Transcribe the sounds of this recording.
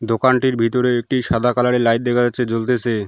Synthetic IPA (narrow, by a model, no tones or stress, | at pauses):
d̪okanʈiɾbʱit̪oɾeek̚ʈiʃad̪ʱakalaɽelajt̪̚d̪ekʰaat͡ɕʰed͡ʑolt̪et͡ɕʰe